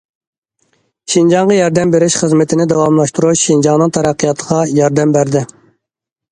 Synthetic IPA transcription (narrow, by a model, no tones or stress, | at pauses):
ʃind͡ʒɑŋʁɑjɑɾd̪ɛmbeɾɪʃχəzmɪt̪ʰɪnɪd̪ɛwɑmlˠɑʃt̪uɾuʃind͡ʒɑŋnɨŋt̪ʰɑɾæqːijɑt̪ʰəʁɑjɑɾd̪ɛmbæɾd̪ɪ